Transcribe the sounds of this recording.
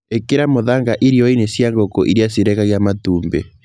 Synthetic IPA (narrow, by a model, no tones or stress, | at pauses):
ekeɾamoðaŋɡaʔiɾiɔinesjaŋɡokoʔiɾiasiɾɛɣaɣjamatuːmbḛ